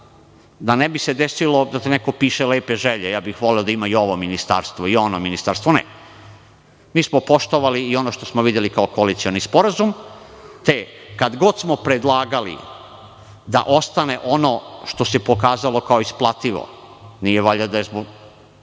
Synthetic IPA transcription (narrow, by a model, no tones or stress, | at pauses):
d̪anebise̞d̪esilo̞d̪at̪eneko̞piːʃeleːpeʒeʎejaːbixʋo̞leod̪aimaijo̞ʋominist̪a̰ɾst̪ʋoio̞nominist̪aɾst̪ʋonḛ | miːsmopo̞ʃt̪oʋaliːo̞noʃt̪o̞smoʋid̪jelikaokoalit̪sio̞nispo̞ɾazumt̪ekad̪ɡo̞d̪smo̞pɾed̪lˠaːɡalḭ | d̪a̰ʔo̞st̪aneʔo̞noʃt̪o̞sepo̞kaːzalˠo̞kaoisplˠat̪iʋo̰ | nijeʋoʎad̪ajezboɡ